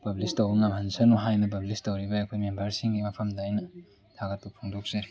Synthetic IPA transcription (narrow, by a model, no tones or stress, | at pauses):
pɐblistɐwbɐŋamhɐnsɐnoɦajnɐp̬ɐblistɐwɾibɐɐkʰojmembɐɾsiŋɡimɐpʰɐmdaajnɐ | tʰaɡɐt̚pɐpʰoŋdok̚z̥ɐɾi